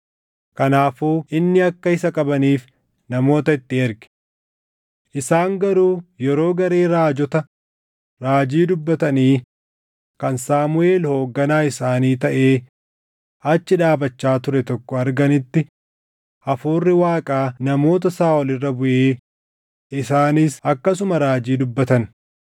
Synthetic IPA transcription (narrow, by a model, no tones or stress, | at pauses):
kɐnaːfuːʔɪnːɪɐkːɐɪsɐkʼɐbɐniːf | nɐmo̞ːt̪ɐɪt̪ːɪɛɾɡɛ̥ | ʔɪsaːŋɡɐɾuːjɛɾo̞ːɡɐɾeːɾaːd͡ʒɔt̪ɐ | ɾaːd͡ʒiːd̪ʊbːɐt̪ɐniː | kɐnsaːmʊʔe̞ːlho̞ːɡːɐnaːɪsaːniːt̪ɐʔe̞ː | ɐt͡ʃːɪᶑaːbɐt͡ʃːaːt̪ʊɾɛt̪ɔkːɔɐɾɡɐnɪt̪ːɪ | ʔɐfuːrːɪwaːkʼaːnɐmo̞ːt̪̬ɐsaːɔlɪrːɐbʊʔeː | ɪsaːniːsɐkːɐsʊmɐɾaːd͡ʒiːd̪ʊbːɐt̪ɐn